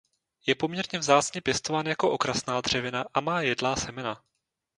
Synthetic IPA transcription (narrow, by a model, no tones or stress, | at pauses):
jɛpo̞mɲɛɾɲɛvzaːt͡sɲɛpjɛst̪o̞vaːnajako̞ʔo̞kɾasnaːd̪r̝̥ɛvɪnaʔamaːjɛdlaːsɛmɛna